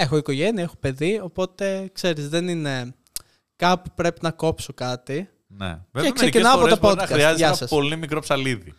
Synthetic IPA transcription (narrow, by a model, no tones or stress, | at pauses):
e̞xoiko̞ʝe̞niɐexope̞ðio̞po̞t̪e̞kse̞ɾizðenine̞ | kɐpupɾe̞pinɐko̞pso̞kɐt̪i | nḛveekseicinɐɐpoɾet̪opot̪kɐsɾiɐzeʝɐɐsɐso̞limikɾo̞psɐliði